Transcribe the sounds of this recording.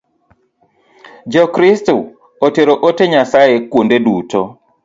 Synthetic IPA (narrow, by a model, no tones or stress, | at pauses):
d͡ʒɔkɾistu | oteɾoʔoteɲasajekwondedutɔ